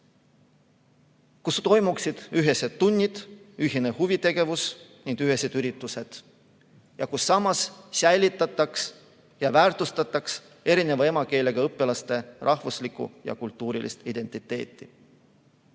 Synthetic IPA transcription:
kust̪o̞jmuksid̪̥yɦe̞sed̪unʲːid̪̥yɦinehuvit̪e̞ɡe̞vusniŋɡ̥̪yɦe̞se̞d̪̥yɾit̪ːˑuse̞d̪̥ | jɑkusːɑmɑssæjlʲit̪ːˑɑt̪ːˑɑks | jɑvæːrt̪ust̪ɑt̪ːˑɑks | e̞ɾine̞vɑe̞mɑke̞ːle̞ɡ̥ɑɤpːelɑst̪e̞rʔɑhvuslikṵjɑ̰kult̪ːˑuːɾilʔḭst̪id̪̥e̞nʲt̪ːˑit̪ːe̞ːt̪ˑːi

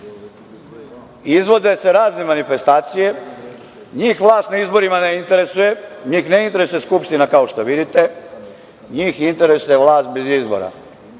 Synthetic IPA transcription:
izʋo̞d̪e̞se̞ɾaːzne̞manife̞st̪aːt̪sije̞ | ɲiːxʋlˠaːst̪naizbo̞ɾimaneint̪e̞ɾe̞suje̞ɲiːxneint̪e̞ɾesujeskupʃt̪inakaoʃt̪oʋid̪it̪e̞ | ɲiːxint̪e̞ɾe̞suje̞ʋlˠaːst̪̚be̞zizbo̰ɾa̰

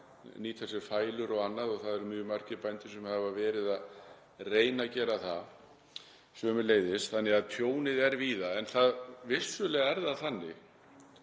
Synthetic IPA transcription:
niːt̪ʰɛsɪɾ̥faːjlʏɾɔɣanːaðɔɣθaðɛɾmʏːʏmar̥cɪpajnt̪ɪ̥sɛmhavavɛːɾɪðað | reːjnacɛːɾaθa | sœːmʏleːjðɪsθanːɪɣaðt̪ʰjoːwnɪðɛɾviːðaɛnθaðvɪ̥sʏlɛɣaɛɾðaθanːɪ̰ɣ

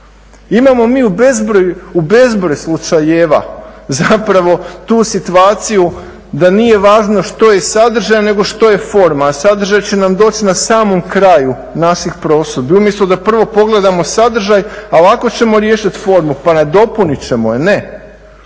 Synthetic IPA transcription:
imamo̞miːubezbɾojuube̞zbɾojslˠut͡ʃajeʋa̰zapɾaʋo̞t̪uːsit̪uaːt̪siju | d̪anije̞ʋaːʒno̞ʃt̪o̞je̞sad̪r̩ʒajane̞ɡo̞ʃt̪o̞je̞fo̞ɾmasad̪r̩ʒajt͡ɕe̞namd̪o̞ːt͡ɕinasaːmo̞mkɾaju | naʃixpɾo̞ːsobiumjeslˠud̪apr̩ʋo̞po̞ɡle̞d̪amo̞sad̪r̩ʒajalako̞t͡ɕe̞mo̞ɾje̞ːʃit̪fo̞ɾmupanad̪o̞punit͡ɕe̞mojene̞

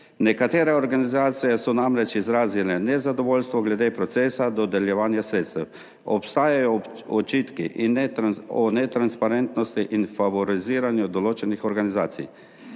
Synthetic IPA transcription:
nɛkat̪eːɾɛɔɾɡanizaːt̪sijɛsɔnamɾɛt͡ʃizɾaːzilɛnɛzad̪ɔʋoːlʲst̪ʋɔɡlɛd̪epɾɔt̪seːsad̪ɔd̪ɛljɛʋaːnjasɾeːt̪st̪ɛw | ɔ̰pst̪aːjajɔ | ɔt͡ʃiːt̪kḭʔinɔnɛt̪ɾanspaɾɛnt̪nɔst̪iʔinfaʋɔɾiziːɾanjud̪ɔloːt͡ʃɛnixɔɾɡaniza̰ːt̪sḭj

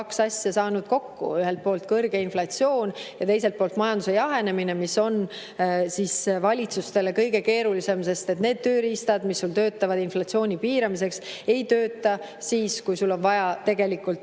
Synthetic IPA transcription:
ksɑsʲjɑsɑːnud̪̥̚ko̞kːṵyɦelt̪̚po̞ːlt̪̚kɤrɡ̥e̞inflɑtsio̞ːnjɑt̪e̞js̬e̞lt̪̚poːlt̪mɑjɑnd̪usejɑɦe̞ne̞mine̞miso̞n | siːsvɑlʲit̪sust̪e̞le̞kɤjɡe̞ke̞ːɾulise̞mse̞st̪e̞t̪ne̞ːd̪̥̚t̪øːɾist̪ɑd̪̥misːult̪øːt̪ːˑɑvɑd̪̥inflɑtsio̞ːnʲipiːɾɑmis̬e̞kse̞jt̪øːt̪ːˑɑ | siːskujsulːo̞nvɑjɑt̪e̞ɡ̥e̞likːˑult̪

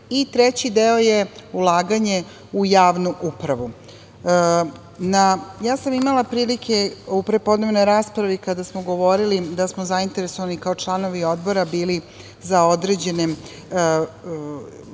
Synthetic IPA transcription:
it̪ɾet͡ɕid̪eo̞jeulˠaːɡaɲe̞ | ujaːʋnuʔupɾaʋu | najaːsamimalˠapɾiːlikʰeupɾe̞po̞d̪ne̞ʋno̞jɾaːspɾaʋikad̪asmoɡo̞ʋo̞ɾilid̪asmozaint̪e̞ɾeso̞ʋanikaot͡ʃlˠano̞ʋio̞d̪bo̞ɾabiːli | zaod̪ɾe̞ːd͡ʑe̞ne

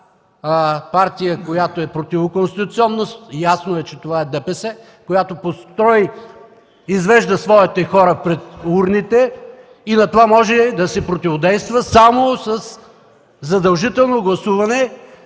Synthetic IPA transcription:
paɾt̪ijəkojat̪oɛpɾot̪ivokonst̪it̪ʊt̪siɔnːost̪jasnoɛt͡ʃɛt̪ovaɛd̪ɛpɛsɛ | kojat̪opost̪ɾɔi | izvɛʒd̪əsvɔit̪ɛxɔɾəpɾɛt̪uɾnit̪ɛ | inɐt̪ovamɔʒɛd̪ɐsɛpɾot̪ʲivod̪ɛjst̪vəsamosɐs | zɐd̪ɐlˠʒit̪ɛlˠnoɡlˠɐsuvɐnɛ

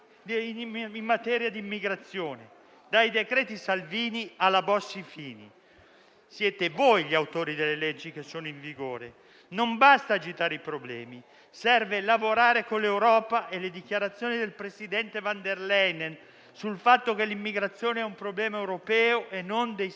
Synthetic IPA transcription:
imːat̪ɛːɾjad̪iimːiɡɾat̪sːjoːne | d̪ajd̪ekɾɛːt̪isalviːnialːabɔsːifiːnḭ | sjɛːt̪evojʎiawt̪oːɾid̪elːelɛd͡ʒːik̟esːoːnoiɱviɡoːɾe | nombast̪aːd͡ʒit̪aːɾeipɾoblɛ̰ːmi | sɛrvelavoɾaːɾekonlːewɾɔːpaʔelːed̪ik̟jaɾat̪sːjoːnid̪elpɾesid̪ɛnt̪evand̪erlɛjnen | sulfat̪ːok̟elːimːiɡɾat̪sːjoːneɛumpɾoblɛːmaewɾopɛːoʔenːond̪ej

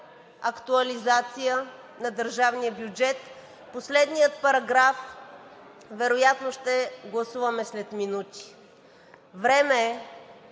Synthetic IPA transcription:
ɐkt̪uɐlizat̪sijə | nɐd̪əɾʒavnijəbjud͡ʒɛt̪ | poslɛd̪nijət̪pɐɾɐɡɾaf | vɛɾojat̪noʃt̪ɛɡlˠɐsuvɐmɛslɛt̪minut̪i̥ | vɾɛmɛ

